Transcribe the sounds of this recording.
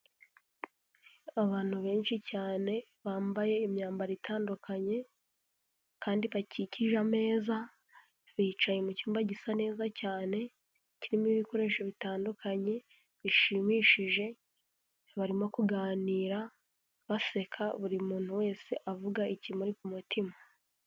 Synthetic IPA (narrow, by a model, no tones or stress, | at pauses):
aβaːn̥huβe̞ːnʃicaːne̞ | βaːmbaje̞imɲaːmbaɾitʰaːndukʰaɲe̞ | kaːndiβaciciʒame̞ːza | βiːt͡ʃajemucuːmbaɟisane̞ːzacaːne̞ | ciɾimiβiko̞ɾe̞ːʃeβitaːndukʰaɲe̞ | βiʃimiːʃiʒe̞ | βaɾimo̞kuɡaːniːɾa | βase̞kʰaβuɾimuːn̥huwe̞ːsiʔavuɡaicimuɾikumutʰima